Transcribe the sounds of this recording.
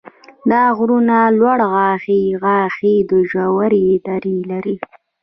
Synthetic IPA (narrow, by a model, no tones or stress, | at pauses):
d̪ɑɣɾunalwaɽɣɑxiɣɑxid̪əʒawaɾid̪aɾilaɾi